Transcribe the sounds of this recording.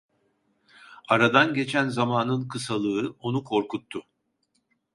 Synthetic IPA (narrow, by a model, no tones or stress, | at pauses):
aɾad̪anɟe̞t͡ʃʰænzamaːnɯnkʰɯsalˠɯɯo̞nukʰo̞ɾkut̪ʰːʊ